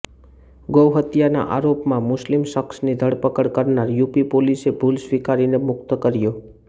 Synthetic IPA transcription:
ɡəwɦət̪jana̰ʔaɾopmãmʊslimʃəksnid̪ʱəɽpəkəɽkəɾnaɾjupipolisebʱulsʋikaɾinemʊk̚t̪kəɾjo

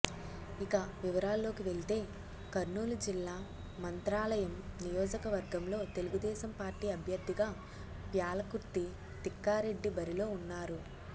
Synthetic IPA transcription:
ikɐʋiʋɐɾaːlːo̞ːkiʋe̞ɭit̪e̞ː | kɐɾnuːlud͡ʒilːaː | mɐnt̪ɾaːlɐjɐmnijɔːd͡ʒɐkɐʋɐɾɡɐmlo̞ːt̪e̞luɡud̪ɛːʃɐmpaːɾʈiːɐbʱjɐɾd̪ːiɡaː | pjaːlɐkuɾt̪i | t̪ikːaːɾe̞ɖːibɐɾilo̞ːunːaːɾu

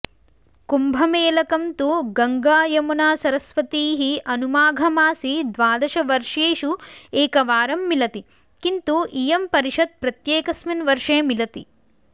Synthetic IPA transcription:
kumbʱɐmeːlɐkɐmt̪uɡɐŋɡaːjɐmunaːsɐɾɐsʋɐt̪iːɦiʔɐnumaːɡʱɐmaːsid̪ʋaːd̪ɐʃɐʋɐɾʂeːʃueːkɐʋaːɾɐmːilɐt̪i | kint̪uʔijɐmpɐɾiʂɐd̪̚pɾɐt̪jeːkɐsmɐnʋɐɾʂeːmilɐt̪i

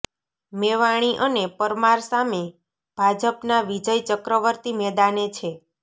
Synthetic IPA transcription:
meʋaɽ̃iʔənepəɾmaɾsame | b̥ʱad͡ʒəpnaʋid͡ʒəjt͡ʃəkɾəʋəɾt̪imɛd̪anet͡ʃʰe

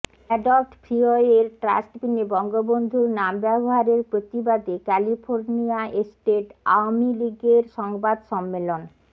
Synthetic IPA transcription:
ɛɖolʈpʰɾioeɾʈɾa̰sʈbinebɔŋɡobond̪ʱuɾnambɛboɦaɾeɾpɾot̪ibad̪ekɛlifʰoɾniaesʈeʈa̰wmiliɡeɾʃɔŋbad̪ʃɔmːelon

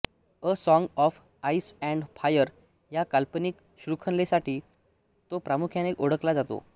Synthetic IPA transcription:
əsɔ̃ŋɡɔf | aisɛ̃ɳɖfʰajəɾ | jakalpəniːk | ɕɾukʰənlesaʈʰiː | t̪opɾamukʰjanekoɽəklad͡zat̪o̰

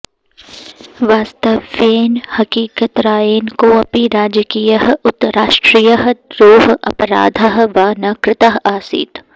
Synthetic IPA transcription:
ʋaːst̪ɐʋːeːnhɐkiːkət̪ɾaːjeːnkoɐpiɾaːd͡ʒəkiːjəɦʊt̪ːɾaːʃʈɾiːjəɦɾoːɦɐ̰pɾa̰ːd̪ʱəɦʋaːnɐkɾɪt̪aɦaːsḭːt̪

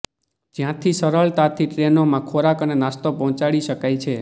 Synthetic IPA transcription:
d͡ʒjãt̪ʰisəɾəɭt̪at̪ʰiʈɾenomãkʰoɾakənenast̪opɔɦɔ̃t͡ʃaɭiʃəkajt͡ʃʰe

